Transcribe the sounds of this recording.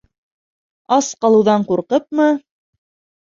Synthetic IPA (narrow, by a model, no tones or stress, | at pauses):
ɑsqɑlˠɤ̆wðɑɴquɾqɤp̚mɤ